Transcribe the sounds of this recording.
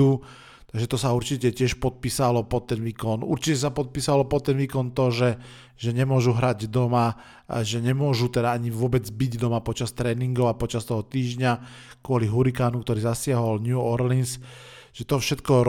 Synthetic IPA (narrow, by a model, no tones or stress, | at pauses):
u | t̪aɡʒɛt̪ɔsauɾt͡ʃicɛcɪɛʃpɔt̪̚piːsalɔpɔt̪ːɛnʋiːkɔnṵɾt͡ʃicɛs̬apɔt̪̚piːsalɔpɔt̪ːɛnʋiːkɔnt̪ɔʒɛ | ʒ̥ɛɲɛmʊɔʒuɦɾaɟd̪ɔma̰ | ʒɛɲɛmʊɔʒut̪ɛd̪aaɲiʋʊɔbɛd͡zbiɟd̪ɔmapɔt͡ʃast̪ɾɛːniŋɡɔʊapɔt͡ʃast̪ɔɦɔt̪iːʒɲa | kʊɔliɦuɾikaːnuk̚t̪ɔɾiːzasɪaɦɔlɲjuɔɾlins | ʒ̥ɛt̪ɔfʃɛt̪kɔɾ